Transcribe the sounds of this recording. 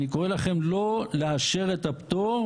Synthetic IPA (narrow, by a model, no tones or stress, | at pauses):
nikoʁe̞laχe̞mlo̞leaʃe̞ʁet̪apt̪o